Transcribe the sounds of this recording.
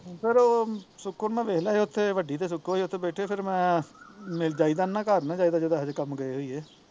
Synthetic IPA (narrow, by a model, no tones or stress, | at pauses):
pʰɪɾoːsʊkːonmɛ̃ːʋeːɦlaːɦeʊt̪ʰːeːʋəɖiːt̪eːs̬ʊkːoeːʊt̪ʰːeːbɛːʈʰeːpʰɪɾmɛ̃ː | mɪld͡ʒaːiːd̪aːnãːkəɾnãːd͡ʒaːiːd̪aːd͡ʒed̪aɦd͡ʒkəmɡəeːɦoːiːeː